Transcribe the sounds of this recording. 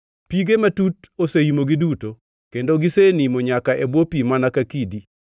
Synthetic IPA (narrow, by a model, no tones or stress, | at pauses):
piɡematutosejimoɡɪduto | kendoɡɪsenimoɲakaʔebwopimanakakidi